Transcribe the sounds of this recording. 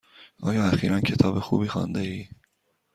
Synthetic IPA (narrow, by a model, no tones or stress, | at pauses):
ʔɒːjɒːæxiːɾʔæncʰe̞t̪ʰɒːbexṵːbiːxɒ̰nd̪eiː